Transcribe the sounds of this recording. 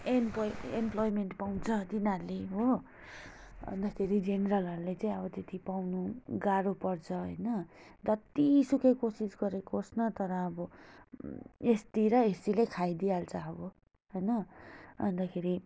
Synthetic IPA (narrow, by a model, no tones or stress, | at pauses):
empojḛmplojmeɳʈpaw̃t͡sʰʌt̪inaleɦo | ʌ̰nd̪astʰeɾid͡zeneɾʌlʌɾulet͡saĩʌbʌt̪et̪ipawnuɡaɾupʌrt͡sʰʌɦʌ̰jnʌdʌt̪isukʌjkosisɡʌɾekoːsnʌt̪ʌɾʌːbʌ | est̪iɾʌesilekʰajd̪ialt͡sʰʌːbʌ | ɦʌjnʌʌ̰nd̪akʰeɾi